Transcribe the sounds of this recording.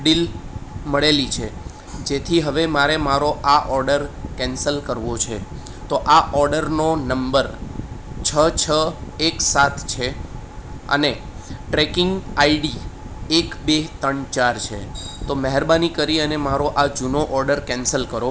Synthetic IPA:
ɖilməɭelit͡ʃʰe | d͡ʒet̪ʰiɦəʋemaɾemaɾoʔaʔɔɾɖəɾkɛ̃nsəlkəɾʋot͡ʃʰe | t̪oʔaʔɔɾɖəɾnonəmbəɾ | t͡ʃʰət͡ʃʰəeksat̪ʰt͡ʃʰe | ə̰ne | ʈɾekɪŋɡaiɖi | ekbet̪əɳt͡ʃaɾt͡ʃʰḛt̪oməɦɛɾbanikəɾiənemaɾoʔad͡ʒunoʔɔɾɖəɾkɛ̃nsəlkəɾo

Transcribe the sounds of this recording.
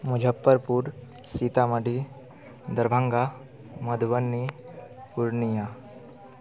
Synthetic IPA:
mʊd͡ʒʱəpːəɾpuɾ | siːt̪aməɖi | d̪ɐɾbʱãŋɡa | mɐd̪ʱʋənːipuɾnija

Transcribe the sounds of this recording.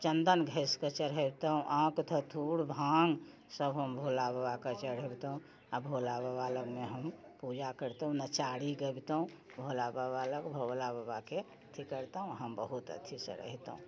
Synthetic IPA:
t͡ʃənd̪ənɡʱeskət͡ʃəɾɦəbt̪əɦũʔãkt̪ʰət̪ʰuɽbʱaŋɡ | səbɦəmbʱolabəbakət͡ʃəɾəbt̪əɦũ | abʱolababaləɡmeɦəmpud͡ʒakəɾt̪əɦũnət͡ʃaɽiɡəbt̪əɦũ | bʱolababaləkbʱolabəbake | t̪ʰikəɾt̪əɦũɦəmbəɦut̪ə̰t̪ʰisə̰ɾə̰ɦit̪əɦũ

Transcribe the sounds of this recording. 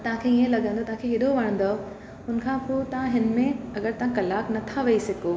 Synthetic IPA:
t̪ɐɦãkʰeijẽlɐɡə̃nd̪ot̪ɐɦãkʰeɦɪd̪ʱoʋɐɽ̃ə̃nd̪o | ʊnkʰãpoːt̪ɐãɦɪnmẽɐɡəɾt̪ɐãkɐlaːknɐt̪ʰaʋɐisɪko

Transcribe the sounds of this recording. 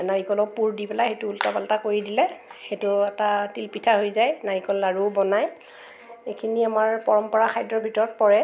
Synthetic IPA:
naɹikɔlɔpuɹdipɛlaxejtʊultabaltakoɹidilɛxetʊɛtatilpitʰaɦojzajnaɹikɔllaɹubɔnaj | ekʰiniamaɹpɔɹɔmpɔɹakʰajdɹɔbʱitɔɹɔt̚pɔɹɛ

